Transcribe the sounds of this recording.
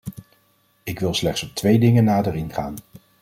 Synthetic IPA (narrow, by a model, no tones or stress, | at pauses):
ɪkʋɪlˠslɛχtsɔp̚tʋejdɪŋənːaːdərɪnχa̰ːn